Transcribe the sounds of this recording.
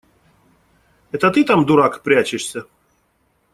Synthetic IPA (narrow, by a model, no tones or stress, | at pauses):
ɛt̪ət̪ɨt̪amd̪uɾakpɾʲat͡ɕɪʂsʲa